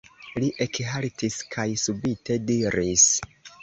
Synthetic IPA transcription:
liʔekɦaltiskʰajsubitʰe̞diɾis

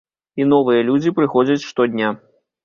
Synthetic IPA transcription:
inɔvɨjɐlʲud͡zʲipɾɨxɔd͡zʲɐt͡sʲʂt̪ɔd̪ʲnʲa

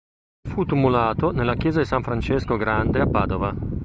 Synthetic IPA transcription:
fut̪umulaːt̪onelːakjɛːzad̪isaɱfɾant͡ʃɛskoɡɾand̪eapːaːd̪ova

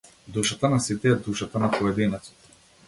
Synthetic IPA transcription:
d̪uʃat̪anasit̪ɛɛd̪uʃat̪anapɔɛd̪inɛt̪sɔ̥t̪

